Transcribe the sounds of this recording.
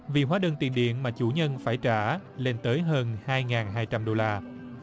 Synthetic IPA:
vi˨˩ɦwaː˨˦ɗə˨˩ŋt̪i˨˩nɗḭ˧˨ənmaː˨˩t͡ɕu˧˩ɲə˧nfaː˧˩jt͡ɕaː˧˩le˧nt̪əː˨˦jɦəː˧nhaː˧jŋaː˨˩nɦaː˧jt͡ɕa˧mɗo˧laː˧

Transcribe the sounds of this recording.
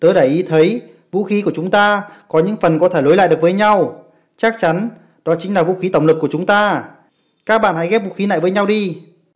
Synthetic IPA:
t̪əː˨˦ɗaː˧˩ʔi˨˦t̪ʰə˨˦j | vṵ˧˥xi˨˦ku˧˩ət͡ɕʊ˨˦ŋ͡mt̪aː˧kɔ˨˦ɲɨ̰˧˥ŋfə˨˩nkɔ˨˦t̪ʰe˧˩lo˨˦jla̰˧˨ɗɨ˨˩ək̚vəː˨˦jɲa˧w | t͡ɕa˦˥k̚t͡ɕa˨˦n | ɗɔ˨˦t͡ɕï˨˦ŋ̟laː˨˩vṵ˧˥xi˨˦t̪ə˧˩wŋ͡mlɨ˨˩kːət͡ɕʊ˨˦ŋ͡mt̪aː˧ | kaː˦˥k̚ɓa̰ː˧˨nha̰˧˥jɣɛ˦˥p̚vṵ˧˥xi˨˦na̰ː˧˨jvəː˨˦jɲa˧wɗi˧

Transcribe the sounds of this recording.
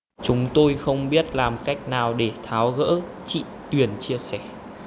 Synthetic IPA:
t͡ɕʊ˨˦ŋ͡mt̪o˧jxə˧wŋ͡mɓi˦˥ət̚laː˨˩mka˦˥jk̟̚naː˨˩wɗe˧˩t̪ʰaː˨˦wɣə̰ː˧˥ | t͡ɕḭ˧˨t̪wi˨˩ənt͡ɕi˧əsɛ˧˩

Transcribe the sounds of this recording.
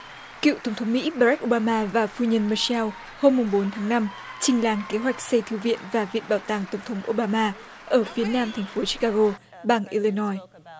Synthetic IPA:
kḭ˧˨wt̪ə˧˩wŋ͡mt̪ʰə˨˦ŋ͡mmḭ˧˥ɓaː˧ɾk̚ʔo˧ɓaː˧maː˧vaː˨˩fu˧ɲə˧nmə˨˧sɛː˧w | ho˧mːʊ˨˩ŋ͡mɓo˨˦nt̪ʰaː˨˦ŋna˧m | t͡ɕï˨˧˩ŋ̟laː˧˩ŋke˨˦ɦwa˨˩jk̟̚sə˧jt̪ʰɨ˧˩wvḭ˧˨ənvaː˨˩vḭ˧˨nɓaː˧˩wt̪aː˨˩ŋt̪ə˧˩wŋ͡mt̪ʰə˨˦wŋ͡mʔo˧ɓaː˧maː˧ | ʔəː˧˩fi˨˦ənaː˧mt̪ʰɛ˨˩jŋ̟fo˨˦t͡ɕi̥˦˥kaː˧ɣo˧ | ɓaː˨˧˩ŋʔi˧li˧nɔ˧j

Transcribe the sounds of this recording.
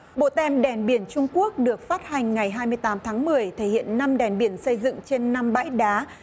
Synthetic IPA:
ɓo̰˧˨t̪ɛ˧˩mɗɛ˧˩nɓi˨˧˩ənt͡ɕʊ˧ŋ͡mku˦˥ək̚ɗɨ˨˩ək̚faː˦˥t̚ha˨˩jŋ̟ŋa˨˩jɦaː˧jmɨ˧əjt̪aː˨˦mt̪ʰaː˨˦ŋmɨ˨˩əjt̪ʰe˧˩hḭ˧˨ənːa˧mɗɛ˨˧˩nɓi˧˩ənsə˧jzɨ̰˧˨ŋt͡ɕe˧nːa˧mɓa̰ː˧˥jɗaː˨˦

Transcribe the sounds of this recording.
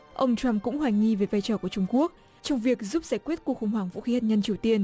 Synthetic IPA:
ʔə˧wŋ͡mt͡ɕwa˧mkʊ̰˧˥ŋ͡mhwaː˧˩ŋ̟ɲi˧ve˨˩vaː˧jt͡ɕɔ˧˩ku˧˩ət͡ɕʊ˧ŋ͡mku˦˥ək̚ | t͡ɕɔ˧wŋ͡mvi˨˩ək̚zu˦˥p̚zaː˧˩jkwi˦˥ət̚ku˨˩ək̚xʊ˨˩ŋ͡mɦwaː˨˩ŋvṵ˧˥xi˨˦haː˨˩t̚ɲə˧nt͡ɕi˨˩əwt̪i˧ən

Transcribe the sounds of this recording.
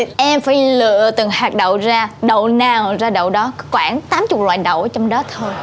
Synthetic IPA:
ʔɛ˧mfaː˧˦jlɨ̰˧˨ət̪ɨ˨˩ŋhaː˨˩k̚ɗə̰˧˨wzaː˧ɗə˧˨wnaː˧˩ŋ˨zaː˧ɗə̰˧˨wɗɔ˨˦kɔ˨˦kwaː˧˩nt̪aː˨˦mt͡ɕʊ˨˩lwa̰ː˧˨jɗə̰˧˨wʔa˨˦t͡ɕɔ˧wŋ͡mɗɔ˨˦t̪ʰoː˧j

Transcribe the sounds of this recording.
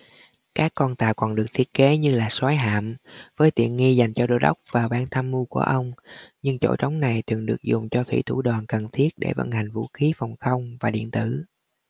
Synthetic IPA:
kaː˦˥kːɔ˧nt̪aː˧˩kɔ˨˩nɗɨ˨˩ək̚t̪ʰi˦˥ət̚ke˨˦ɲɨ˧laː˨˩swaː˨˦jɦa̰ː˧˨mvəː˨˦jt̪ḭ˧˨ənŋi˧za˨˩jŋ̟t͡ɕɔ˧ɗo˧˩ɗə˦˥wk͡p̚vaː˨˩wɓaː˧nt̪ʰaː˧mːu˧ku˧˩əʔə˧wŋ͡mɲɨ˧ŋt͡ɕo̰˧˥˩t͡ɕə˨˦wŋ͡mna˨˩jt̪ʰwḭ˧˨˩ənɗɨ˨˩ək̚zʊ˨˩ŋ͡mt͡ɕɔ˧t̪ʰwḭ˧˩t̪ʰu˧˩ɗwaː˨˩nkə˨˩nt̪ʰi˦˥ət̚ɗḛ˧˩və̰˧˩nha˨˩jŋ̟vṵ˧˥xi˨˦fɔ˨˩wŋ͡mxə˧wŋ͡mvaː˨˩ɗḭ˧˨ənt̪ɨ˧˩

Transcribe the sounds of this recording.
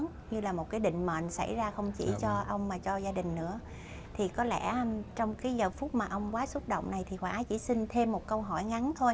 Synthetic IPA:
n | ɲɨ˧laː˨˩mo˨˩t̚kaː˨˦jɗḭ̈˧˨ŋ̟mə̰˧˨nsa̰˧˩jzaː˧xə˧wŋ͡mt͡ɕḭ˧˩t͡ɕɔ˧ʔə˧wŋ͡mmaː˨˩t͡ɕɔ˧zaː˧ɗï˨˩ŋ̟nɨ̰˧˥ə | t̪ʰi˨˩kɔ˨˦lɛ̰˧˩˥t͡ɕɔ˧wŋ͡mkaː˨˦jzəː˨˩fu˦˥t̚maː˨˩ʔə˧wŋ͡mkwaː˨˦su˦˥t̚ɗo̰˧˨wŋ͡mna˨˩jt̪ʰi˨˩hwaː˧˩ʔːt͡ɕḭ˧˩sï˧nt̪ʰe˧mːo˨˩t̚kə˧wɦɔ˧˩jŋa˨˦nt̪ʰo˧j

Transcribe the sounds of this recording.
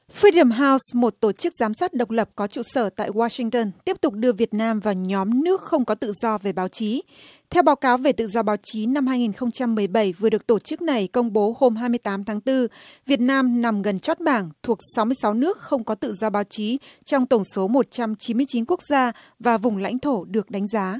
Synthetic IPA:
fi˧ɗə˨˩mɦaː˧wsmo˨˩t̚t̪o˧˩t͡ɕɨ˦˥k̚zaː˨˦msaː˦˥t̚ɗə˨˩wk͡p̚lə˨˩p̚kɔ˨˦t͡ɕṵ˧˨səː˧˩t̪a̰ː˧˨jwaː˧sï˧ŋt̪əː˧nt̪i˦˥əp̚t̪ʊ˨˩k͡p̚ɗɨ˧əvi˨˩ət̚naː˧mvaː˨˩wɲɔ˨˦mnɨ˦˥ək̚xə˧wŋ͡mkɔ˨˦t̪ɨ̰˧˨zɔ˧ve˨˩ɓaː˨˦wt͡ɕi˨˦ | t̪ʰɛ˧wɓaː˨˦wkaː˨˦wve˨˩t̪ɨ̰˧˨zɔ˧ɓaː˨˦wt͡ɕi˨˦na˧mhaː˧jŋi˨˩nxə˧wŋ͡mt͡ɕa˧mːɨ˨˩əjɓə˧˩jvəɗɨ˨˩ək̚t̪o˧˩t͡ɕɨ˦˥k̚na˨˩jkə˧wŋ͡mɓo˨˦ho˧mɦaː˧jmɨ˧əjt̪aː˨˦mt̪ʰaː˨˦ŋt̪ɨ˧vi˨˩ət̚naː˧mna˨˩mɣə˨˩nt͡ɕɔ˦˥t̚ɓaː˧˩ŋt̪ʰu˨˩ək̚sa˨˦wmɨ˧əjsa˨˦wnɨ˦˥ək̚xə˧wŋ͡mkɔ˨˦t̪ɨ̰˧˨zɔ˧ɓaː˨˦wt͡ɕi˨˦t͡ɕɔ˧wŋ͡mt̪ə˧˩ŋ͡mso˨˦mo˨˩t̚t͡ɕa˧mt͡ɕi˨˦nmɨ˧əjt͡ɕi˨˦nku˦˥ək̚zaː˧ | vaː˨˩vʊ˨˩ŋ͡mla̰˧˥jŋ̟t̪ʰo˧˩ɗɨ˨˩ək̚ɗa˨˦ŋ̟zaː˨˦

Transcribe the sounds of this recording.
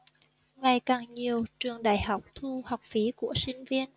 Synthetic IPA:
ŋa˨˩jkaː˨˩ŋɲi˨˩əwt͡ɕɨ˨˩əŋɗaː˧˨˩jha˨˩wk͡p̚t̪ʰu˧ha˨˩wk͡p̚fi˨˦ku˧˩əsï˧ŋ̟vi˧ən

